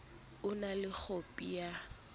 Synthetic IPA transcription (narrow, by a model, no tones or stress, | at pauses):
ʊnalɪk͡xʰopʼija